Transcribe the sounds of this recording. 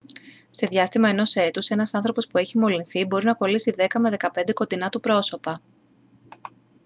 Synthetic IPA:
se̞ðʝɐst̪imɐe̞no̞se̞t̪use̞nɐsɐnθɾo̞po̞spue̞çimo̞linθibo̞ɾinɐko̞lisiðe̞kɐme̞ðe̞kɐpe̞nd̪eko̞t̪inɐt̪upɾo̞so̞pɐ

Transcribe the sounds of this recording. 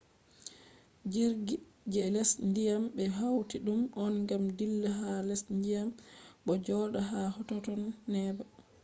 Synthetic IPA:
d͡ʒiɾɡi | d͡ʒɛlɛsndijambɛɦawtiɗumʔɔnŋɡamdilːaɦalɛsndijamɓɔd͡ʒɔɗaɦahɔtɔtɔnːɛba

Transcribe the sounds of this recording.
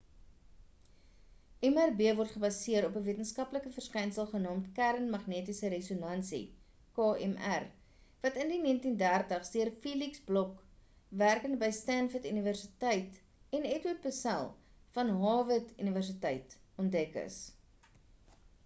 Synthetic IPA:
ʔɛmærbeəvɔrtχəbɐsiəɾɔpəviətənskɐpləkəfərskɛjnsəlˠχənɑːmtkæɾənmɐχniətisəɾesonɐnsḭ | kɑːɛmær | vɐtəndiniəntindærtəχdiərfiːliksblɔk | værkənbəjstænfətyniværsitəjt | ɛnɛtwət̚pəsæ̰lˠ | fɐnɦɑːvətyniværs̬itɛjtɔndɛkə̰s

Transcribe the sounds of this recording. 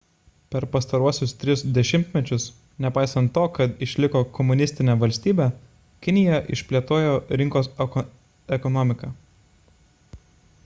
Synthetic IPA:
pʲɛɾpɐst̪ɐɾuɔsʲʊst̪ʲɾʲɪsd̪ʲɛʃʲɪmʲt̪ʲmʲɛt͡ʃʲʊs | nʲɛpɑˑɪsɐnt̪ːoːkɐt̪ɪʃʲlʲɪkoːkɔmʊnʲɪsʲt̪ʲɪnʲɛːʋɐlʲsʲt̪ʲiːbʲæː | kʲɪnʲɪjɛʔɪʃʲpʲlʲiɛt̪oːjoːɾʲɪŋkoːs | ɛkɔnɔmʲɪkɑː

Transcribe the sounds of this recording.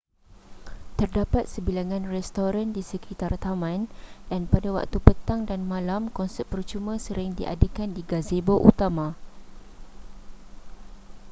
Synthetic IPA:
t̪ərdapat̪̚səbilaŋãnrɛst̪oɾandisəkʰit̪art̪amãndanpadawa̰k̚t̪upət̪aŋdanmãlamkɔnsɛt̪̚pərt͡ʃumãsəɾɪŋdiʔa̰dekandiɡazeboʔut̪amã

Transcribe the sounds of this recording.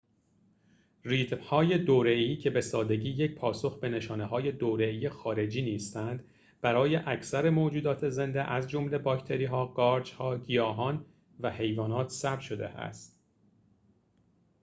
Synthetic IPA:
riːt̪mhɒːje̞d̪oːɾe̞iːcʰe̞be̞sɒːd̪e̞ɟiːje̞c̚pʰɒːso̞xbe̞ne̞ʃɒːneɦɒːje̞d̪oːɾe̞iːjexɒːɾe̞d͡ʒiːniːst̪ænd̪ | b̥æɾɒːje̞ʔæcʰsæɾe̞moːd͡ʒuːd̪ɒːt̪ʰe̞ze̞nd̪eʔæzd͡ʒo̞mle̞bɒːct̪ʰeɾiːɦɒːɡɒːɾd͡ʒhɒːɟijɒːɦɒːn | væhe̞jvɒːnɒːt̪ʰsæb̪̚ʃo̞d̪e̞̰ʔæ̰st̪

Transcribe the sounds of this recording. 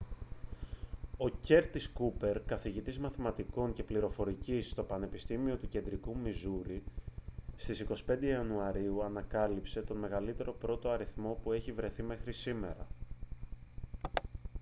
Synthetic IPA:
o̞ce̞ɾt̪iskupe̞ɾkɐθiʝit̪izmɐθimɐt̪iko̞ɲce̞pliɾo̞fo̞ɾicisːt̪o̞pɐne̞pist̪imio̞t̪uce̞nd̪ɾikumizuɾi | st̪isiko̞si̥pe̞nd̪eɐnuɐɾiuɐnɐkɐlipse̞t̪o̞nme̞ɣɐlit̪e̞ɾo̞pɾo̞t̪o̞ɐɾiθmo̞pue̞çivɾe̞θime̞xɾisime̞ɾɐ

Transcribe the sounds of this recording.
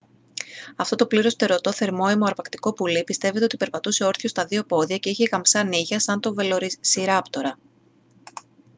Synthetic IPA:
ɐft̪o̞t̪opliɾo̞st̪e̞ɾo̞t̪o̞θe̞ɾmo̞emoɐɾpɐkt̪iko̞pulipist̪e̞vet̪e̞o̞t̪ipe̞ɾpɐt̪use̞o̞ɾθjost̪ɐðiopo̞ðiɐce̞içeɣɐmsɐniʝɐsɐnt̪o̞velo̞ɾisiɾɐpt̪o̞ɾɐ

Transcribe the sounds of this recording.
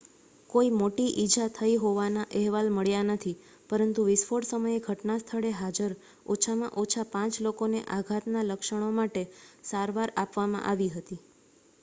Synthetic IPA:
koimoʈiʔid͡ʒat̪ʰəiɦoʋanaʔɛɦʋalməɭjanət̪ʰi | pəɾənt̪uʋɪsfoɽsəməjeɡʱəʈnast̪ʰəɭeɦad͡ʒəɾ | ot͡ʃʰamã̰ʔot͡ʃʰapãt͡ʃlokoneʔaɡʱat̪naləkʃəɽ̃omaʈesaɾʋaɾapʋamã̰ʔaʋiɦət̪i

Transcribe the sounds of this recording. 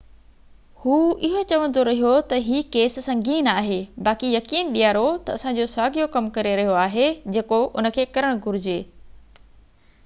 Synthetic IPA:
huːɪɦot͡ɕɐʋə̃nd̪oɾɐɦijot̪ɐɦiːkeːssɐ̃ŋɡiːnaːɦeːbaːkijɐkiːnɗijaːɾot̪ɐɐsã̆d͡ʑoːsaːɡijokɐmkɐɾeɾɐɦijoaːɦed͡ʑeːkoʔʊnə̆kʰeːkɐɾəɽ̃ɡʱʊɾɪd͡ʑeː

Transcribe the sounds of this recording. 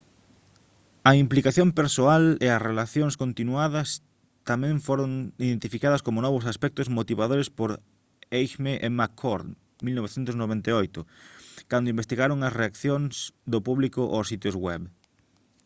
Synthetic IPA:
ɐimplikaθjõmpeɾsoaleɐsrelaθjoŋskont̪inuaðɐs | t̪amɛ̃ɱfoɾoŋiðẽnt̪ifikaðɐskomʊnɔβʊsaspɛk̚t̪ʊzmot̪iβaðoɾespoɾ | ejʃmeʔemakʰːoɾd̪ | milnoβeθent̪ʊsnoβent̪eojt̪ʊkand̪ʊimbest̪iɣaɾoŋɐsreakθjoŋsd̪opuβlikʊʔosit̪jozɣwɛβ

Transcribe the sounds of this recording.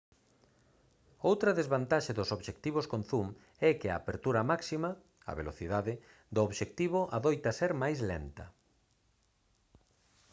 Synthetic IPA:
owt̪ɾɐðezβant̪aʃɪðʊsoβʃek̚t̪iβ̞ʊskon̟θum | ɛkɪa̰ːpeɾt̪uɾɐmaksimɐ | a̰βḛloθiðaðɪ | d̪ʊoβʃek̚t̪iβ̞ʊʔaðojt̪ɐseɾmajzlḛnt̪ɐ̰

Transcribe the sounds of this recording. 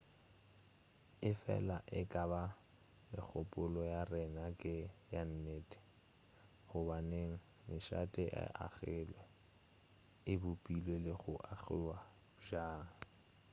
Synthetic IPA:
ɪfɛ̰laʔɪkʼaba | mɪ̰k͡xʰʊpʼʊlɔjarɛnakʼɪjan̩neːtʼɪ̥ | χʊbaneŋ̩ | mɪʃa̰tʼɪʔa̰ʔa̰ɣɪlɛ | ɪbʊpʼilelɪχʊʔaɣɪ̰wa | ʒaːŋ̩

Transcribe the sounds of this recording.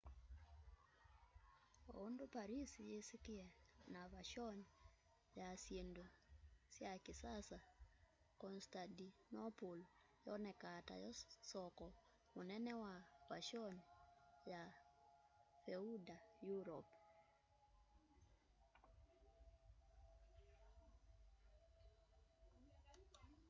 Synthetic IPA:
oondopaɾisijesikɪɛnaβaʃɔn | jaːsjendosjakisasa | kɔnstadinɔpul | jɔnɛkata̰jɔsɔkɔ | monɛnɛwaβa̰ʃɔnja | feudajuɾɔp

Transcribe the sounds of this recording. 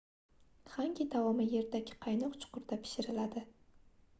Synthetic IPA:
χaŋkʲid̪awɒmɪje̞ɾd̪aɡʲɪ̥qʰɑjnɒqt͡ʃʰʊ̥qʊɾd̪apʰɪ̥ʃɪɾɪlad̪ɪ

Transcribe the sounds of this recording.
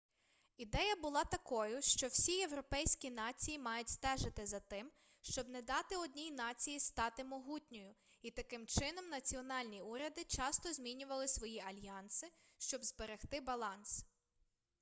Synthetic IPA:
id̪ɛjɐbʊlˠɑt̪ɐkɔjʊʃt͡ʃɔwsʲije̞wɾɔpɛjsʲkʲinɑt͡sʲijimɑjʊtʲst̪ɛʒɪt̪ɪzɐt̪ɪm | ʃt͡ʃɔbnɛd̪ɑt̪ɪɔd̪ʲnʲijnɑt͡sʲijist̪ɑt̪ɪmɔɦutʲnʲɔjʊ | it̪ɐkɪmt͡ʃɪnɔmnɐt͡sʲiɔnɑlʲnʲiuɾʲɐd̪ɪt͡ʃɑst̪ɔzʲmʲinʲʊʋɐlˠɪsʋɔjiɐlʲjɑnsɪʃt͡ʃɔbzbeɾext̪ɪbɐlˠɑns

